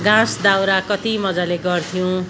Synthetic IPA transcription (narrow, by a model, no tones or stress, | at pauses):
ɡãsd̪awɾakʌt̪imʌd͡zaleɡʌrt̪ʰijõ